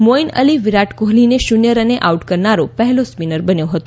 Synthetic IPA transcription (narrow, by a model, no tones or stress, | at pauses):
moinə̰liʋiɾaʈkoɦlineʃunjəɾəneʔauʈkəɾnaɾopəɦɛlospinəɾbənjõɦət̪õ